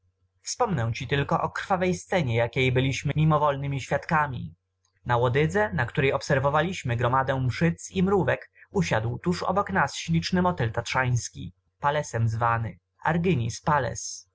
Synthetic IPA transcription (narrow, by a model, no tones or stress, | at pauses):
fspɔmnɛw̃t͡ɕit̪ɘlkɔʔɔkɾ̥favɛjst̪sɛɲɛjakʲejbɘlʲiɕmɘmʲimɔvɔlnɘmʲiɕfʲjat̪kamʲḭ | nawɔd̪ɘd̪zɛnakt̪uɾɛjɔpsɛɾvɔvalʲiɕmɘɡɾɔmad̪ɛw̃mʂɘt̪simɾuvɛkuɕad̪wt̪uʂɔ̰bɔknasɕlʲit͡ʂnɘmɔt̪ɛlt̪atʂaj̃skʲḭ | palɛsɛmzvanɘ | a̰ɾɡɘɲispalɛ̰s